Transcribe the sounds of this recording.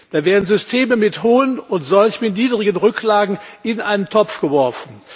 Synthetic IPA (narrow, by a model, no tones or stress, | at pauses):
d̥aːveːɐdn̩zʏstʰeːməmɪthoːənʊntz̥ɔlçmɪtniːdʁɪɡənʁʏkʰlaːɡŋ̩ʔɪnʔaɪnəntʰɔp͡fɡ̥əvɔɐfn̩